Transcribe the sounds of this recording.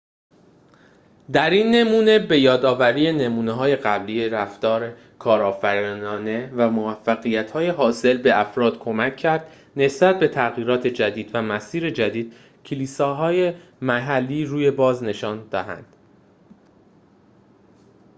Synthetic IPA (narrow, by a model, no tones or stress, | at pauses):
d̪æɾinːe̞muːne̞be̞jɒːd̪ɒːvæɾiːje̞ne̞muːneɦɒːje̞ɣæbliːje̞ɾæft̪ɒːɾe | kʰɒːɾɒːfæɾinɒːne̞væmovæfːæɣijæt̪ʰhɒːje̞ɦɒːse̞lbe̞æfɾɒːd̪̥kʰo̞mæcʰːæɾd̪̥ | ne̞sbæt̪̚be̞t̪ʰæɣiːɾɒːt̪ʰe̞d͡ʒæd̪iːd̪væmæsiːɾe̞d͡ʒæd̪iːd̪̥ | cʰeliːsɒːɦɒːje̞mæɦælːiːɾuːje̞bɒːzne̞ʃɒːnd̪ɒːɦæ̰nd̪̥